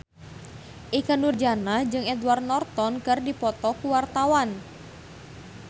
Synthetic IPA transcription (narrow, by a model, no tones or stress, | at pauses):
ʔikanurd͡ʒanahd͡ʒɨŋɛdwart̪̚nɔrt̪ɔnkɨrdipɔt̪ɔkuwart̪awan